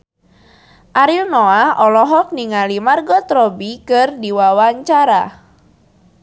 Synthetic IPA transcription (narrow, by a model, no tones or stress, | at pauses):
ʔaɾilnɔaɔlɔɦɔk̚niŋalimarɡɔt̪ɾɔbikɨrdiwawaɲt͡ʃaɾa